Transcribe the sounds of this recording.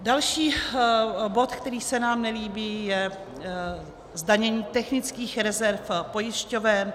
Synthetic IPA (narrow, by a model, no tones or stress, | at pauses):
dalʃiː | bo̞t̪kt̪ɛɾiːsɛnaːmnɛliːbiːjɛ | zdaɲɛɲiːt̪ɛxnɪt͡skiːxɾɛzɛɾfpo̞jɪʃcovɛn